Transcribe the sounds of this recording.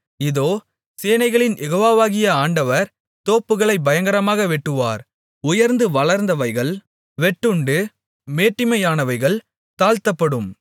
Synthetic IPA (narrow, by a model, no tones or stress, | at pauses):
ɪðoː | seːnɐɪɣɐɭɪnjɛɣoːʋaːʋaːɣɪjɐaːɳɖɐʋɐɾ | t̪oːpːɯɣɐɭɐɪbɐjɐŋɡɐɾɐmaːɣɐʋɛʈːɯʋa̰ːɾ | ʊjɐɾnd̪ɯʋɐɭɐɾnd̪ɐʋɐɪɣɐɭ | ʋɛʈːɯɳɖɯ | meːʈːɪmɐjaːnɐʋɐɪɣɐɭ | t̪aːlt̪ɐpːɐɽɯm